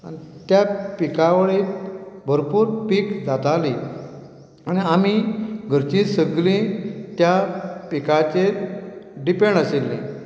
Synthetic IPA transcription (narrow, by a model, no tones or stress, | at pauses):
a̰nit̪japikaʋəɭiːt̪bʱəɾpuːɾpikd͡zat̪ali | añiamiɡʱəɾt͡ɕĩsəɡlĩt̪japikat͡ɕe | ɖipẽɳɖəselːḛ̃